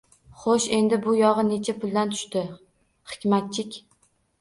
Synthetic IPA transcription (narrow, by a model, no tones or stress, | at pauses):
χoʃe̞nd̪ɪbʊjɒʁɨne̞t͡ʃʰapʰʊlˠd̪ant̪ʰʊ̥ʃt̪ɪ | χɪ̥kʲmat̪̚t͡ʃʰɪkʲ